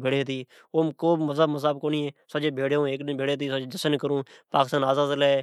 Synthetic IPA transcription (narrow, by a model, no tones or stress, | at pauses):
bʱeːɽeːd̪iː | oːmkoːməzəbməzaːbkoːnieːsəd͡ʒeːbʱeːɽõːeːkːbʱeːɽeːd̪iːsəd͡ʒed͡ʒəsənkəɾũːpaːkɪst̪aːnaːzaːzlɛː